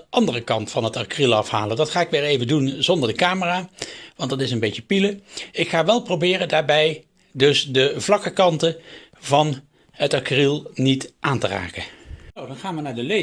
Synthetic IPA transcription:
ʔɑndərəkɑntfɑnɦətakrilˠɑfha̰ːlədɑtχaːɪkʋɪːɹejvəndunzɔndəɹdəkaːməraːʋɑntdɑtɪsənbejcəpiləɪkχaːʋɛlˠprowbɪːrəndaːɹbɛj | dɵsdəvlɑkəkɑntə | vɑn | ɦətakrilˠnitʔaːntəra̰ːkənowdɑnχaːnʋənaːɹdəle

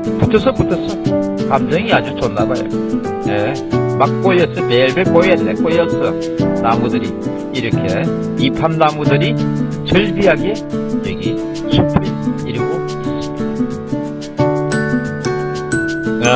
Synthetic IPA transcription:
put̪ʰʌsʰʌputʰʌs͈ʌkamd͡ʑʌŋiad͡ʑut͡ɕonːabajʌ̰ | ne | makk͈oiʌs͈ʌmeɭbekoiʌnːekojʌs͈ʌ | namudɯɾiː | ɾʌkʰe | ipʰamnamudɯɾit͡ɕɯɭbiɦaɡe | jeɡi | sʰupʰeiɾɯɡo | s͈

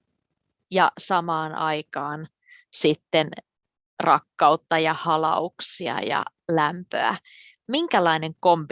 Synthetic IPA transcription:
jɑsɑmɑːnʔɑjkɑːn | sit̪ːen | rʔɑkːɑut̪ːɑjɑhɑlɑ̰uksiɑ̰jɑ̰læmpø̰æ̰ | miŋkælɑine̞ŋko̞mp

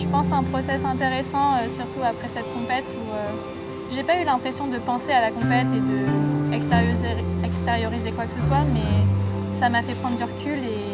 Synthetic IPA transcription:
ʒəpɑ̃saɛ̃pχɔsɛsɛ̃t̪eʁesɑ̃øsyʁt̪uapχɛsɛt̪kɔ̃pɛt̪ʰuø | ʒepaylɛ̃pχesjɔ̃d̪əpɑ̃sealakɔ̃pɛt̪ed̪əɛkst̪eʁjzeɛkst̪eʁjɔʁizekwakəsəswamɛsamafɛpχɑ̃d̪ʁd̪yʁəkʲyle

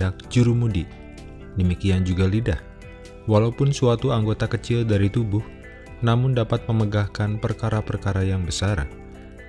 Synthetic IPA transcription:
ak̚d͡ʒuɾumudi | dəmikiand͡ʒuɡalidah | walaupʊnsuat̪uaŋɡot̪akət͡ʃɪldaɾit̪ubʊh | namʊndapat̪̚məməɡahkanpərkaɾapərkaɾajaŋbəsar

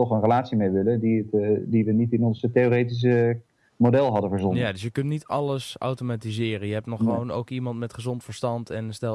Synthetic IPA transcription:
ɔχənrəlaːtsimeʋɪlədiətdiʋənitɪnɔnstejoɾejtis̬ə | modɛlˠɦɑdəvəɹzɔnjadøsjəkʏntnitɑləsʔa̰wtomatizɪːrənjəɦɛp̚nɔχəʋowno̰wkimɑntmɛtχəzɔntfəɹstɑntʰɛnstɛ

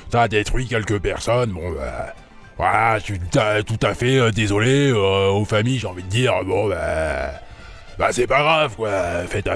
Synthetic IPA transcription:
sad̪et̪χɥikʲɛlkʲəpɛʁsɔnbɔ̃ba̰ | va̰aʃit̪at̪ut̪afɛød̪ezɔleøofamijʒeɑ̃vid̪əd̪iːʁbɔ̃ba̰ | basɛpaɡʁavkwafɛt̪a

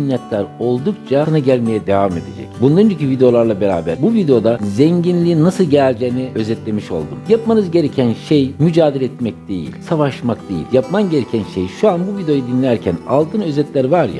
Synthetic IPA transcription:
inːʲɛt̪lʲæɾo̞lˠd̪ukt͡ʃʰaanaɟælʲme̞jɛd̪evame̞d̪e̞d͡ʒɛ̰cbunlˠaɾɯnd͡ʒacyvʲid̪eo̞lˠaɾlˠabe̞ɾa̰ːbæɾbuvid̪eo̞d̪azɛɲɟinlʲiːnnːasɯlˠɟæɾd͡ʒeːniø̞zɛt̪lʲe̞miʃo̞̰lˠd̪ṵmjapmanɯzɟe̞ɾecʰænʃejmyd͡ʒaːd̪elʲɛɛt̪mɛc̚d̪̥e̞̰jḭlʲsavaʃmakd̪e̞jḭlʲjapmanɟe̞ɾecʰænʃejʃuanbuvid̪eo̞jad̪inlʲæɾcʰæna̰lˠt̪ʰɯːnø̞zɛt̪lʲæɾvaɾja̰

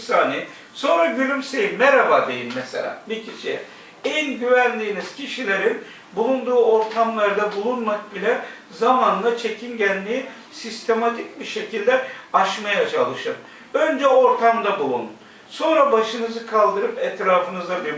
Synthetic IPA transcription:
saːni | so̞nɾaɟylʲymsejiːɛɾabaːd̪e̞jinmɛsḛlʲa̰ːbicʰiʃiɛ | ænɟyvænd̪ʲiːniz̥cʰiʃilʲeɾin | bulˠund̪uːo̞ɾt̪ʰamlˠaɾd̪abulˠunmak̚bilʲɛ | zamanlˠat͡ʃʰe̞cʰinɟænːʲiji | sist̪ʰe̞mat̪ʰic̚biʃe̞cʰilʲd̪ɛaʃmajat͡ʃʰalˠɯʃɯm | ø̞nd͡ʒɛo̞ɾt̪ʰamd̪abulˠunun | so̞nɾabaʃɯnɯzɯkʰalˠd̪ɯɾɯpɛt̪ɾaːfɯnɯzd̪ab̪i

